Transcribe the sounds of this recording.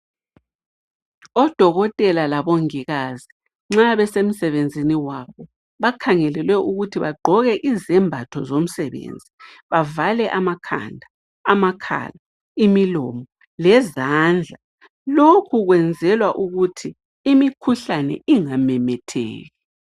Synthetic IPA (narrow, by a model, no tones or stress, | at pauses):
ɔd̥ʱɔɣɔtʼɛlalaβoŋiɣazi | ŋ͡ǁaβɛsem̩sɛβend͡zʱiniwaβɔ | βakʰaŋɛlɛlwɛʔuɣutʰiβa̰ɡ͡ǃʱɔɣɛʔizɛmbʱatʰɔzom̩sɛβḛnd͡zʱiβavalɛʔamakʰa̰ndʱa | amakʰa̰la | imilɔmɔ | lɛzand͡ɮʱa | lokʰuɣwɛnd͡zʱɛlwaʔuɣutʰi | imikʰuɬanɛ̰ʔiŋamɛmɛtʰɛ̰ːɣɛ